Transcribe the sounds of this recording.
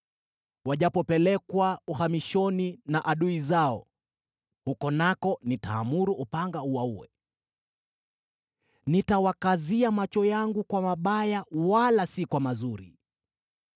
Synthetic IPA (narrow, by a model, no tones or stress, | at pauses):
waʄapɔpɛlɛkwauhamiʃɔninaʔaɗuizaɔ̰ | hukɔnakɔnitaːmuɾuʔːpaŋɡauwauwɛ̰ | nitawakaziamat͡ʃɔjaŋɡukwamaɓajawalasikwamazuɾḭ